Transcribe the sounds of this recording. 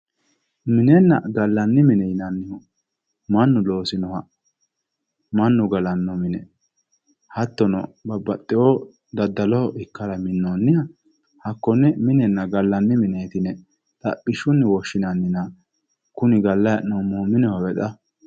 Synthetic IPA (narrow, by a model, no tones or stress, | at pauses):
mɪnɛnːɐ̰ɡɐlːɐnːɪmɪnɛjɪnɐnːɪhɔ | mɐnːʊlo̞ːsɪnɔhɐ | mɐnːʊɡɐlɐnːɔmɪnɛ | hɐt̪ːɔnɔ̰bɐbɐt̪ʼːɪoː | d̪ɐd̪ːɐlɔhɔʔɪkːɐɾɐmɪnːoːnːɪjɐ | hɐkːɔnːɛmɪnɛnːɐɡɐlːɐnːɪmɪneːt̪ɪnɛ | t̪ɐ̰pʼːɪʃʊnːɛwɔʃːɪnɐnːɪnɐ | kʊnɪɡɐlːɐjɐnomːɔːmɪnɛwɐwɛt̪ʼɐ